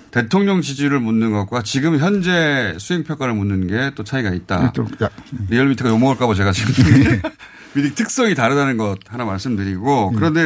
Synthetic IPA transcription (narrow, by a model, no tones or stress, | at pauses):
te̞tʰoŋɲʌŋt͡ɕid͡ʑiɾɯɭmunːɯnɡʌt̚kwat͡ɕiɡɯmçjʌnd͡ʑe̞sʰuɦe̞ŋpʰjʌk͈aɾɯɭmunːɯnɡe̞t͈ot͡ɕʰaiɡait̚t͈a̰ | ɾijʌɭmitʰɯɡajomoʌɭk͈abʌt͡ɕe̞ɡat͡ɕiɡɯm | midik̚tʰɯk̚s͈ʌŋitaɾɯdanɯnɡʌt̚hanamaɭs͈ɯmdɯɾiɡokɯɾʌnde̞